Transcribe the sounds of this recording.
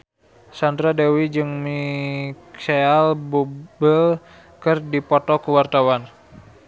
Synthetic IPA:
sand̪ɾadewid͡ʒɨŋmiksaalbubəl | kɨrdipɔt̪ɔkuwart̪awan

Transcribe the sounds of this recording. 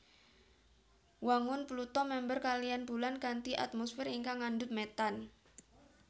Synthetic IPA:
waŋʊnplut̪ɔmɛmbərkalijanb̥ulankant̪iʔa̰t̪̚mɔsfɪɾiŋkaŋandʊt̪̚mɛt̪an

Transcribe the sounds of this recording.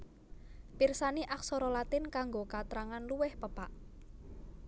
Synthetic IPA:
pirsaniʔaksɔɾolat̪ɪnkaŋɡokat̪ɾaŋanluwɪhpəpaʔ

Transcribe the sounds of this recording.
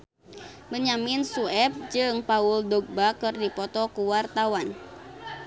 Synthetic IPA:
məɲamɪnsuɛp̚d͡ʒɨŋpaʊldɔɡ̚bakɨrdipɔt̪ɔkuwart̪awan

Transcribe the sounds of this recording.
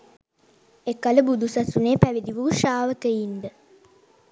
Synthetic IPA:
ekaləbud̪usasuneːpæʋid̪iʋuːʃaːʋəkəind̪ə

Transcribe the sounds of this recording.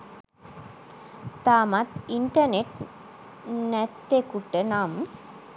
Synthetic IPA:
t̪amɐt̪iɳʈɐneʈ | nɛt̪ːekuʈːənaːm

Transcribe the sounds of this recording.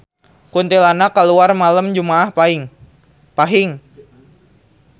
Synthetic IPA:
kunt̪ilanakːaluarmaləmd͡ʒumaːhpaŋ | paɦɪŋ

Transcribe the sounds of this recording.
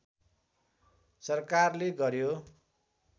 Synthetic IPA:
sʌrkarleɡʌɾjo

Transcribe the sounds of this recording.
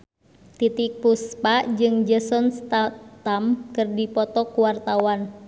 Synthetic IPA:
t̪it̪ik̚puspaʔd͡ʒɨŋd͡ʒəsɔnst̪at̪amkɨrdipɔt̪ɔkuwart̪awan

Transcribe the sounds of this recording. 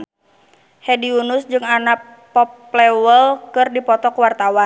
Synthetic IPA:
hɛdiunʊsd͡ʒɨŋanak̚ | pɔpː | lɛwəlkɨrdipɔt̪ɔkuwart̪awa

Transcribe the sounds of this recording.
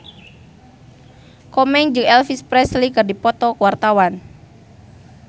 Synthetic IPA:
kɔmɛŋd͡ʒɨŋɛlfispɾɛslikɨrdipɔt̪ɔkəwart̪awan

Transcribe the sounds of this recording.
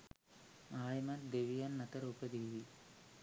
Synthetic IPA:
aːjmɐnd̪eʋijanːɐt̪ɐɾupɐd̪eːʋi

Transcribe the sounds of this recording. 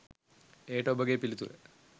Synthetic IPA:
eːʈobɐɡepːilit̪ːṵre

